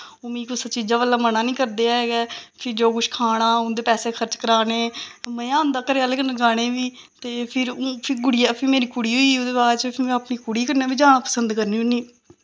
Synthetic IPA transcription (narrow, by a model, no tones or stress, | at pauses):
oːmĩːkosət͡ʃiːzãːʋəlːãːmənãːnĩːkəɾd̪eːaːeːɡɛːpʰɪɾd͡ʒoːkʊʃkʰaːɽ̃ãːʊ̃nd̪eːpɛːseːkʰəɾt͡ʃkəɾaːneːmə̃jãːʊ̃nd̪aːkəɾeaːlekənəɡaːɽ̃ẽːʋiː | t̪eːpʰɪɾpʰɪɡʊɽɪjaːpʰɪɾmeːɾiːkʊɽiːɦoiːʊd̪eːbaːɾt͡ʃəpʰɪɾmɛ̃ːpniːkʊɽiːkəɾnãːbiːd͡ʒãːpəsənd̪kəɾniːʊnːiː